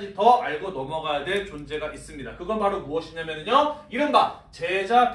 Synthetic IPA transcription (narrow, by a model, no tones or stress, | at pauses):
d͡ʑitʌaɭɡonʌmʌɡajadwe̞ɭt͡ɕond͡ʑe̞ɡaʔis͈ɯmɲidakɯɡʌnpaɾomuʌɕʰiɲamjʌnɯɲoiɾɯnɡat͡ɕe̞d͡ʑap